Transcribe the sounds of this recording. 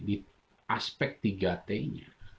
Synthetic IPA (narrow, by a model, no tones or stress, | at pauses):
di | aspɛk̚t̪̚iɡat̪ɛiɲa̰